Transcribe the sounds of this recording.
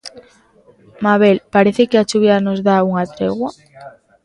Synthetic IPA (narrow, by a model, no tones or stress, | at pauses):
maβ̞elpaɾeθekɪat͡ʃuβjanozðauŋat̪ɾḛɣwa